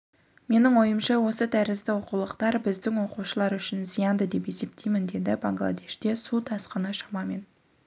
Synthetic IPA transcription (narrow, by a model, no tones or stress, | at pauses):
me̞nɪŋwo̞jəmʃɑwo̞sət̪ʰæɾɪst̪ɪwo̞qulˠəqt̪ɑɾbɪzd̪ɪŋwo̞quʃəlˠɑɾʏʃɪnzijɑnd̪əd̪e̞pe̞se̞p̚t̪ʰejmɪnd̪e̞d̪ɪbaŋɡlˠa̰d̪e̞ʃt̪e̞sut̪ʰɑsqənɑʃɑmɑmen